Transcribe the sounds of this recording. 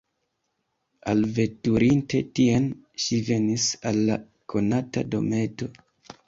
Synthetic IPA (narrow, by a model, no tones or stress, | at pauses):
a̰lve̞tuɾinte̞tian | ʃive̞nisalːa | kʰo̞nata̰do̞̰me̞to̞